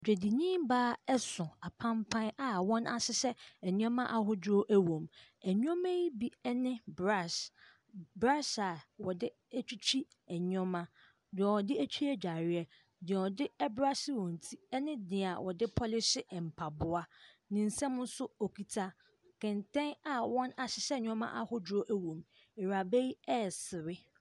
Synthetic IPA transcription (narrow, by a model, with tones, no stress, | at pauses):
d͡ʑᶣe˨di˨ɲĩː˦m˦baː˦ɛ˦sʊ̃˨a˨pʰã˦mpʰã˦na˨wɔ̃˦na̰˨sɪ˦sɛ˦ɛ˨ɲũ˦ɔ̃˦mã˦ʔa˨ɦʊ˦do˦ʔæ˦wõ˨mæ˨ɲũ˦ɔ̃˦mɛ̃˦ji˦bi˦ɛ˦nɪ̃˦bɾa˦˨s | bɾa˦sa˨wɔ˨dɪ˦ | æ˦t͡ɕᶣi˦t͡ɕʰᶣi˦ | ɛ˨ɲ˦ɔ̃˦mã˦ | dɪ˨ɛ˨wɔ˨dɪ˦æ˦t͡ɕʰᶣi˦ɛ˦d͡ʑᶣa˨ɾɪ˦ɛ˦ | dɪ˨ɛ˨ɔ˨dɪ˦ɛ˦bɾa˦sɪ˦wɔ̃˨n̩˨tʰi˦ɛ˦nɪ̃˦dɪ̃˨a˨wʔɔ˨dɪ˦pʰɔ˦lɪ˦sɪ˦ɛ˨m̩˨pʰa˨bʊ˦a˦ | nɪ̃˨n̩˨sɛ̃˦mʊ̃˦n˦sʊ˦o˨kʰi˨tʰa˦ | kʰɪ̃˨ntʰɛ̃˦na˨wɔ̃˦na˨ɕɪ˨ɕɛ˦˨ɲᶣ˦ɔ̃˦mã̰˦ʔa˨hʊ˦d͡ʑɾo˦ʔæ˦wõ˨m | ɪ˨ɾa˨bɛ˦ji˦ɛ˦˨sɪ˨ɾɪ˦